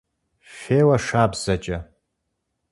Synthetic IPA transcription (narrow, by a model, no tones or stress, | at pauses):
feːwaʂaːbz̥ɐt͡ʃʼɐ